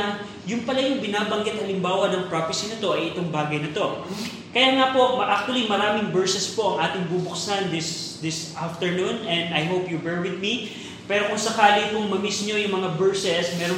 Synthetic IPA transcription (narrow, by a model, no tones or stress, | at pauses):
jʊŋpɐlajʊŋbɪnaːbɐŋɡɪt̪hɐlɪmbaːwɐnɐŋpɾaːfɪsinɐt̪o̞ʔɐjɪt̪oŋbaːɡɐjnɐt̪o̞ | kɐjaŋapo̞ʔmɐʔak̚t̪wɐlimɐɾaːmɪŋbɛɹsɛspo̞ʔɐŋʔaːt̪ɪŋbubʊksɐnd̪ɪsd̪ɪsʔaft̪ɛɹnunɛ̃nd̪ɐjɦowpjubɛɹwɪd̪̚mi | pɛːɾo̞kʊŋsɐkaːlipʊŋmɐmisɲo̞jʊŋmɐŋabɛɹsɛsmɛɾo